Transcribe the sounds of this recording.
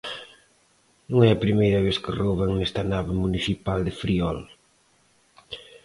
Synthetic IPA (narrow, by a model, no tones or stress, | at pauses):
nũŋɛɐpɾimejɾɐβ̞eθkɪroβɐŋnɛst̪ɐnaβɪmuniθipald̪ɪfɾiɔl